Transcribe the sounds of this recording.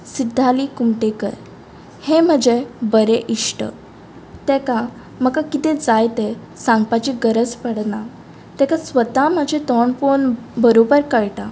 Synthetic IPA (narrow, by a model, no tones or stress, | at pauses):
sid̪ʱːalikumʈekə̰ɾ | hẽm̤əd͡ʑebəɾeʔiʂʈə̰ | t̪ɛka | m̤əkakit̪ed͡zajt̪e | sãŋɡpat͡ɕiɡəɾəd͡zpəɽna | t̪ɛkasʋət̪am̤əd͡ʑʱet̪ɔɳponbəɾobəɾkəɭʈa